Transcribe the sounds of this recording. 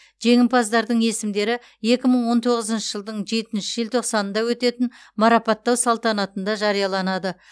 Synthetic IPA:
ʒe̞ŋʲɪmpɑzd̪ɑɾd̪əɴe̞sɪmd̪e̞ɾɪ | je̞kʲɪməɴwo̞nt̪ʰo̞ʁəzənʃəʒəlˠd̪əɴʒe̞t̪ɪnʃɪʒəlt̪ʰo̞qsɑnənd̪ɑwɵt̪e̞t̪ɪn | mɑɾɑpɑt̪ːɑwsɑlˠt̪ɑnɑt̪ənd̪ɑʒɑɾijɑlˠɑnɑd̪ə

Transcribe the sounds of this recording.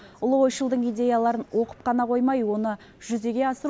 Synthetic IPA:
ʊlˠʁo̞jʃəlˠd̪əɴijd̪ʲe̞jalˠɑɾənwo̞qə̥p̚qɑnɑqʰo̞jmɑjwo̞nə | ʒʏze̞ɡʲe̞ɑsəɾ

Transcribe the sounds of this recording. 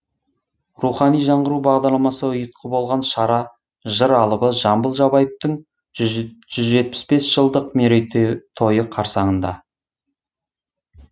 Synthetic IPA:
ruχɑnijʒɑɴʁəɾubɑʁd̪ɑɾlˠɑmɑsəʊjət̪̚qʰəbo̞lˠʁɑnʃɑɾɑ | ʒəɾɑlˠəbəʒɑmbəlˠʒɑbɑjəp̚t̪əɴ | ʒ̥ʏzʒe̞t̪̚pɪ̥spe̞sʒ̥əlˠd̪əqmeɾejt̪ʰo̞jəqʰɑɾsɑɴənd̪ɑ̰

